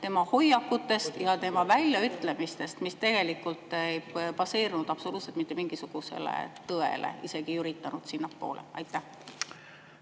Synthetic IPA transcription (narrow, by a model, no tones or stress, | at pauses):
t̪e̞mɑho̞jːɑkːˑut̪ːˑe̞st̪jɑt̪e̞mɑvælʲjɑyt̪ːˑle̞mist̪e̞st̪mist̪e̞ɡ̥e̞likːult̪ːˑejpɑse̞ːrnud̪̥ɑpso̞luːt̪se̞lt̪mit̪ːemiŋɡ̥isuɡ̥use̞̰lḛt̪ɤe̞̰lḛise̞ɡ̥ijyɾit̪ːˑɑnud̪̥sinːɑkpo̞̰ːlʔeɑjt̪ːˑæh